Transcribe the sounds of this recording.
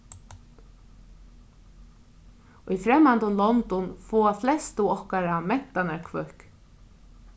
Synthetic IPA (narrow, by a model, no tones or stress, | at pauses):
ujfɾɛmːant̪ʊnlɔnt̪ʊnfɔːaflɛst̪uɔhkaɾamɛn̥t̪anaɹkʰvœhk